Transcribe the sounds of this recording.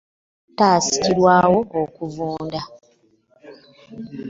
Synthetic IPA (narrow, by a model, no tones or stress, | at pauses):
taːsi̥ciɾwaːwo̞ʔokuvuːnda